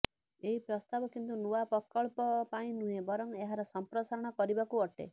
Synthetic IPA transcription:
eɦipɾɔst̪abɔkint̪̬unuwapɔkɔɭpɔpaĩnuɦẽbɔɾɔŋeɦaɾɔsɔmpɾɔsaɾɔɽ̃ɔkɔɾibakuɔʈḛ

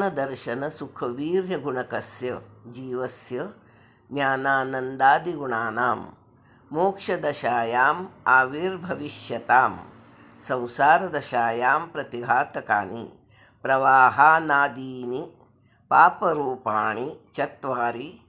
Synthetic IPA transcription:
nɐd̪ɐɾʃɐnɐsukʰɐʋiːɾjɐɡuɳɐkɐsjɐd͡ʒiːʋɐsjɐ | njaːnaːnɐnd̪aːd̪iɡuɳaːnaːm | moːkʂɐd̪ɐʃaːjaːmaːʋiːɾbʱɐʋiʃjɐt̪aːm | sɐ̃w̃saːɾɐd̪ɐʃaːjaːmpɾɐt̪iɦaːt̪ɐka̰ːnḭ | pɾɐʋaːɦaːnaːd̪iːni | paːpɐɾuːpaːɳit͡ʃɐt̪ʋaːɾi

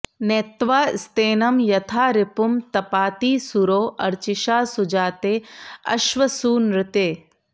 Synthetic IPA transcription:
net̪ʋaːst̪eːnɐmjɐt̪ʰaːɾɪpumt̪ɐpaːt̪iːsuɾoːʔɐɾt͡ʃɪʃaːsʊd͡ʒaːt̪eːɐ̰ʃʋɐsuːnɾɪt̪eː

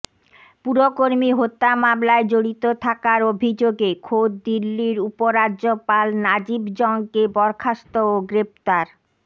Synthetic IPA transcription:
puɾokoɾmiɦot̪ːamamlaed͡ʑoɽit̪ot̪ʰakaɾobʱid͡ʑoɡekʰod̪̚d̪ilːiɾupoɾadʑopalnad͡ʑibd͡ʑɔŋkebɔɾkʰast̪ooɡɾept̪aɾ

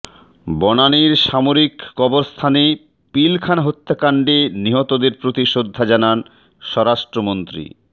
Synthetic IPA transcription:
bɔnaniɾʃamoɾikːɔboɾst̪ʰane | pilkʰanaɦot̪ːakaɳɖeniɦɔt̪od̪eɾpɾot̪iʃod̪ʱːad͡ʑanan | ʃɔɾaʃʈɾomont̪ɾḭ

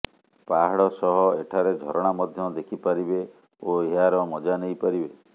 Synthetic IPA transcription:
paɦaɽɔsɔɦɔeʈʰaɾed͡ʒʱɔɾɔɽ̃amɔd̪ʱjɔd̪ekʰipaɾibe | oeɦaɾɔmɔd͡ʒanejpaɾibe

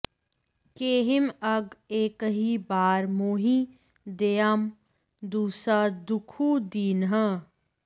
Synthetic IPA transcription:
keːɦɪmɐɡeːkɦibaːɾmoːɦi | d̪eːam | d̪uːsad̪ʊkʰuːd̪iːnɦə

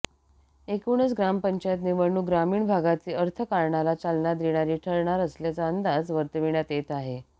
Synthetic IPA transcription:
ekuɳ̃əsɡɾampəɲt͡ɕajt̪niʋəɳuːɡɾamiːɳbʱaɡat͡siːəɾt̪ʰəkaɾɳalat͡salɳad̪iɳ̃aɾiːʈʰəɭɳaɾəsljat͡saənd̪ad͡zʋəɾt̪əʋiɳjat̪et̪aɦe

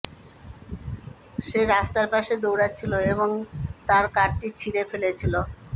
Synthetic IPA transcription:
ʃeɾast̪aɾpaʃed̪owɾat͡ɕʰiloeboŋt̪aɾkaɾʈit͡ɕʰiɾefelet͡ɕʰilo

